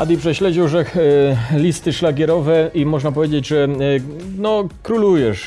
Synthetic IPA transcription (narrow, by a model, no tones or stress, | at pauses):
ad̪ʲipʂɛɕlɛd͡ʑiwʐɛ | lʲist̪ɘʂlaɡʲjɛɾɔvɛimɔʐnapɔvjed͡ʑed͡ʑʐɛ | nɔkɾulujɛʂ